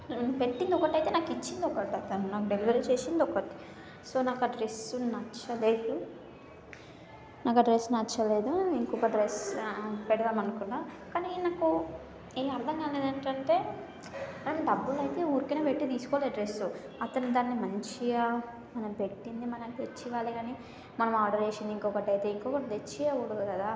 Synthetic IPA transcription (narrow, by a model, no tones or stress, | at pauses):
pe̞ʈːind̪ɔkɐʈɐjt̪enaːkit͡ʃːind̪ɔkɐʈiɐt̪ɐnunaːkuɖeliʋɐɾet͡ʃeːsind̪ɔkɐʈi̥ | soːnaːkɐɖɾe̞sunɐt͡ʃːɐle̞ːd̪u | naːkɐɖɾesːnɐt͡ʃːɐle̞ːd̪uiŋkɔkɐɖɾespɛɽɐʋaːmɐnukuɳːaːkaːninaːku | eːɐɾd̪ʱɐŋɡaːleːd̪ɐɳʈɐɳʈe̞ː | mɐnɐmɖɐbːulɐjt̪e̞ːuːɾkineːpeʈːit̪iːsu̥kɔʋleɖɾesu | ɐt̪ɐnud̪aːnːimɐɲt͡ʃija | mɐnɐmpeʈːind̪imɐnɐmkʋɐt͡ʃːiʋaːliɡaːni | mɐnɐmaːɾɖɐɾeːʂind̪iŋkɔːkɐʈɐjt̪eiŋkɔːkɐʈɐd̪et͡ʃːiɐwuɽuɡkɐd̪aː